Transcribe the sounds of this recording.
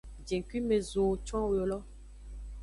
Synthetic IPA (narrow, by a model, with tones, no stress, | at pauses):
d͡ʒe˨ŋ˨kwi˦me˨zo˨t͡ʃwã˦wjo˨lɔ˦